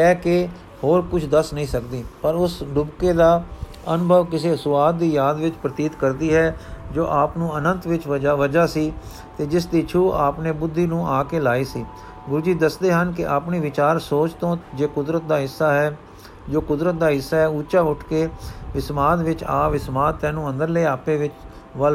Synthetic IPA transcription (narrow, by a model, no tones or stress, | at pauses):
kɛːke | hoːɾkʊt͡ʃʰd̪əsnəĩːsəkd̪iːpəɾʊsɖʊbkeːd̪aː | ənʊbʱəʋkɪs̬eːsʊaːd̪̚ːiːjaːd̪ʋɪt͡ʃpɾət̪iːt̪kəɾd̪iːɦɛːd͡ʒoːʔaːpnũːənə̃nt̪ʋɪt͡ʃaʋəd͡ʒaːsiː | t̪eːd͡ʒɪsd̪iːt͡ʃʰuːaːpneːbʊd̪ʱːiːnũːʔaːkeːlaːiːsiː | ɡʊɾuːd͡ʒiːd̪əsd̪eːɦənkɪʔaːpniːʋɪt͡ʃaːɾsoːt͡ʃt̪õːd͡ʒeːkʊd̪ɾət̪̚d̪aːɦɪsːaːɦɛː | d͡ʒoːkʊd̪ɾət̪̚d̪aːɦɪsːaːɦɛːuːt͡ʃaːʊʈʰkeːʋɪsmaːt̪ʋɪt͡ʃaːʋɪsmaːt̪t̪ɛ̃ːnũːə̃nd̪əɾleːaːpeːʋɪt͡ʃ | ʋəl